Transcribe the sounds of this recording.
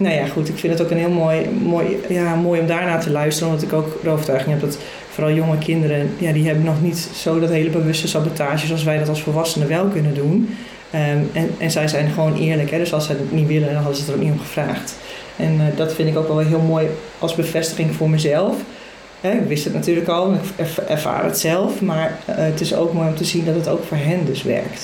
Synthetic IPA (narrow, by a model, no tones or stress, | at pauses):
noːjaxutɪkfɪndətokənɦɪəlˠmojmojjamoːjɔmdaːɹnaːtəlœɥstərənomdɔtɪkoːkrowətœɥχɪŋɦɛp̚dɔt | foːɾɑlˠjoŋəkʰɪndəɾəjadiɦɛbənːɔxnitsoːdɔtɦeːələbəʋøstəsabotʰaːʒəsɔlˠs̬ʋɛjdɔtɔlˠsfərʋasəndəʋɛlˠkønədun | əɛnzɛjzɛjnχʋoːnʔɪ̰ːəɹləkɦɛdøsɔlˠsədɪtnitʋɪləndɔnɦɔdənsətərokniomxəvra̰ːxt | ʔɛndɔtfɪndɪkowkʋɛlˠʋlˠɦɪəlˠmoːj | ʔɔlˠsbəfɛstəχɪŋfʊːɹmɛjzɛlˠf | hɛɪkʋɪstətnatyːərləkɔlˠɔnɪkɛɹfa̰ːrə̰tsɛlˠfmaɹətɪso̰ːkmoːjomtəzindɔt̚ɦəto̰ːwkfoːɹɦɪndøsʋɛ̰ɹkt